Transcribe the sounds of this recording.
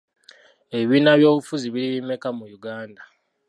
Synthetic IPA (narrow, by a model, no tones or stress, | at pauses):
e̞βiːnaβjo̞ːβufuziβiliβime̞kamujuɡaːnda